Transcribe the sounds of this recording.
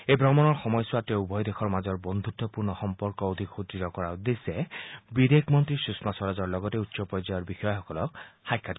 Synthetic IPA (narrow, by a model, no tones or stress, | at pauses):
ebʱɹɔmɔnɔɹxɔmɔjsuateubʱɔjd̪exʰɔɹmazɔɹbɔnd̪ʱut̪ːɔpuɹnɔxɔmpɔɹkɔod̪ʱikxut̪itɔkɔɹaud̪esebid̪ʱekmɔnt̪ɹisusmasɔɾazɔɹlɔɡɔteutːsɔpɹɔjzajɔɹbixɔjɔxɔkɔlɔkxajkʰːat